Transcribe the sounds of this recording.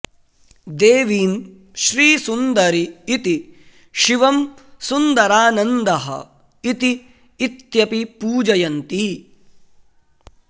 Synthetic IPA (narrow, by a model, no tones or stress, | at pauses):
d̪eːʋiːn | ʃɾiːsund̪ɐɾiːt̪i | ʃiʋɐmsund̪ɐɾaːnɐnd̪ɐɦɐ̰ | it̪iː | t̪jɐpipuːd͡ʒɐjɐnt̪i